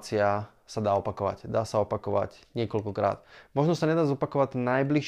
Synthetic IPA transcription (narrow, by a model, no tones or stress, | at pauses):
t͡sia | sad̪aːɔpakɔʋa̰ɟd̪aːsaɔpakɔʋa̰ɟɲɪɛkɔlkɔkɾa̰ːt̪mɔʒnɔsaɲɛd̪aːzɔpakɔʋaɟnajbliʃ